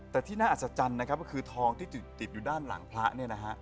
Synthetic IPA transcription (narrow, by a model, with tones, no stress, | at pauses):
t̪ɛː˨˩t̪ʰiː˥˩naː˥˩ʔ̪̚ːt͡ɕa˨˩t͡ɕa˧nːa˦˥kʰa˦˥p̚kɔ˥˩kʰɯː˧t̪ʰɔː˧ŋt̪ʰiː˥˩t̪i˨˩t̪ːi˨˩t̪̚juː˨˩daː˥˩nla̰˩˦ŋpʰla˦˥ʔni˥˩ɐna˦˥kʰa˦˥ʔ